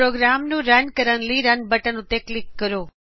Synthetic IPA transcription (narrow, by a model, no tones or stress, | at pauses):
ɾoːɡɾaːmnũɾɐnkəɾənliɾɐnbəʈənũt̪eklikːəɾoː